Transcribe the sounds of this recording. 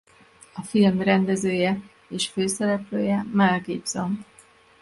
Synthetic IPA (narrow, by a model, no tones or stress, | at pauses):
ɒfilmrɛnd̪ɛzøːjɛ | eːʃføːsɛɾɛpløːjɛmɛlɡiːbz̥om